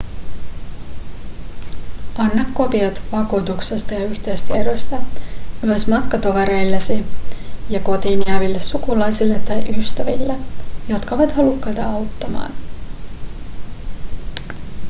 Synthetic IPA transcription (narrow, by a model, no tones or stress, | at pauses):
ɑnːɑkːo̞piɑt̪ʋɑkuːt̪ukse̞st̪ɑjɑyçt̪ejst̪æeɾøjst̪æyøsmɑt̪kɑt̪o̞ʋeɾe̞jlːesijɑko̞t̪iːniæʋilːe̞sːukulɑjsilːett̪ːɑjʔyst̪æʋḭlːejo̞t̪kɑoʋɑt̪hɑlukːɑjt̪ɑɑwt̪ːɑmɑ̰ːn